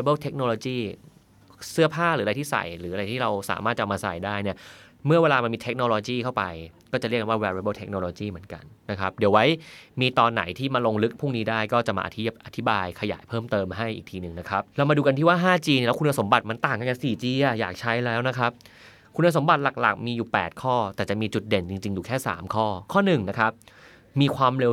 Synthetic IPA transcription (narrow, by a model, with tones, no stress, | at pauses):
e˧˦bɤː˥˩t̪ʰe˦˥k̚noː˧loː˧t͡ɕiː˥˩ | sɯ˦˥ɐpʰaː˥˩ɾɯː˨˩˦ɾa˧jt̪ʰiː˥˩sa̰˨˩jɾɯː˩˦ʔa˧ɾa˧jt̪ʰiː˥˩ɾa˧wsa̰ː˩˦maː˥˩t̪̚t͡ɕa˨˩maː˧sa̰˨˩jdaː˥˩jni˥˩ɐ | mɯ˥˩ɐweː˧laː˧ma˧nmiː˧t̪ʰk̚noː˧loː˧t͡ɕiː˥˩kʰa˥˩wpa˧jkɔː˥˩t͡ɕa˨˩ɾi˥˩ka˧waː˥˩wɛː˧ɾbəː˥˩t̪ʰe˦˥k̚noː˧loː˧t͡ɕiː˥˩mɯ˩˦ənka̰˧nːa˦˥kʰa˦˥p̚di˨˩˦əwa˦˥jmiː˧t̪ɔː˧nːa̰˨˩˦jt̪ʰiː˥˩maː˧lo˧ŋlɯ˦˥k̚pʰu˥˩ŋniː˦˥daː˥˩jkɔː˥˩t͡ɕa˨˩ʔma̰ː˧a̰˧t̪ʰʔa˧t̪ʰi˦baː˧jkʰa˧ja̰ː˩˦jpʰɤː˥˩mt̪ɤː˧mɦa˥˩jʔiː˨˩k̚t̪ʰiː˧nɯ˨˩ŋna˦˥kʰa˦˥p̚lɛː˦˥maː˧duː˧ka˧nt̪ʰiː˥˩waː˥˩ɦaː˥˩t͡ɕiː˧n˧˥˩lɛ˦˥kʰu˧nːa˧so˩˦mba˨˩t̪̚ma˧nt̪aː˨˩ŋka˧nka˧siː˨˩t͡ɕiː˧ʔa˨˩jaː˨˩k̚t͡ɕʰa˦˥jlɛː˦˥wna˦˥kʰa˦˥p̚ | kʰu˧na˧so˩˦mba˨˩t̪̚la˨˩k̚la̰˨˩k̚miː˧juː˨˩pɛː˨˩t̪̚kʰɔː˥˩t̪ɛː˨˩t͡ɕa˨˩miː˧t͡ɕu˨˩t̪̚de˨˩nt͡ɕi˧ŋt͡ɕi˧ŋjuː˨˩kʰɛː˥˩sa̰ː˩˦mkʰɔː˥˩kʰɔː˥˩nɯ˨˩ŋna˦˥kʰa˦˥p̚ | miː˧kʰwaː˧mɾe˧